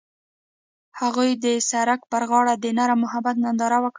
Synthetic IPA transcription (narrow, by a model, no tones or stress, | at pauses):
haɣujd̪əsaɾakpəɾɣɑɽad̪ənaɾamʊɦabat̪̚nand̪ɑɾawək